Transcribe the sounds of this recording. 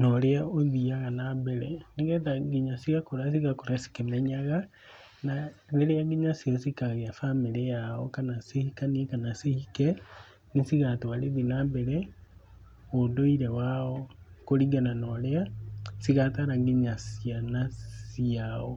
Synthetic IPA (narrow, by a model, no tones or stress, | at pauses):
nɔɾeaoðiaɣanabɛɾɛ̰neŋɡɛtaŋɡiɲasiɣakoɾasiɣakoɾasi̥kemɛɲaɣa | naneɾeaŋɡiɲasiɔsikaɣeafameɾɛjaɔ̰kanasihikaniɛkanasihikɛ | nisiɣatowaɾeðinabɛɾɛ | odoiɾɛwaɔkoɾiɡananɔɾeasiɣataɾaŋɡiɲasianassiaɔ